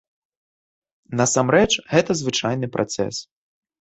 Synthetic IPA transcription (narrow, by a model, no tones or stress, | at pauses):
nɐsamɾɛt͡ʂɣɛt̪ɐzvɨt͡ʂajnɨpɾʔa̰t̪sɛ̰s